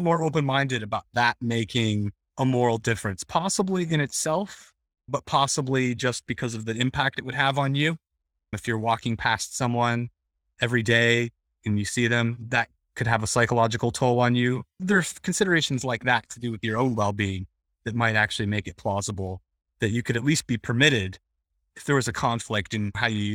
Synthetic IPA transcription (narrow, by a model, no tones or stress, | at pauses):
mɔɹoʊpɨ̃nmãɪ̃ndɨɾɨbaʊt̪̚ðət̚meɪkʰɪ̃ŋ | əmɔɹl̩ˠdɪfɹɨ̃nspʰɑsəbliɨ̃ɾ̃ɨtsɛlˠf | b̥ʌt̚pʰɑsəblid͡ʒʌst̚b̥ɨkʰʌzʌvðiɨ̃mpʰæk̚tɨʔ̚wɨd̚əvn̩jʉ | ɨfjə˞wɔkɪ̃ŋpʰæstsʌ̃mwʌ̃n | ɛvɹideɪ | ɨ̃njɨsiðɨ̃mðɨt̚ | kʰɨd̚ɨvəsaɪkəlɑd͡ʒɨkl̩ˠtʰoʊlˠə̃njʉðə˞kʰn̩sɪɾə˞eɪʃn̩zlaɪk̚ðɨtʰɨdɨwɨðjə˞õʊ̃nwɛlˠbiɪ̃ŋ | ðɨt̚maɪɾæk̚t͡ʃʉl̩ˠimeɪkɨt̚pʰl̥ɑzəbl̩ˠ | ðɨt͡ʃɨkʰɨɾɨtˡlist̚b̥ipʰə˞mɪɾɪd | ɨfðə˞wʌzɨkʰɑ̃ɱflɪk̚tɨ̃nhaʊjɨ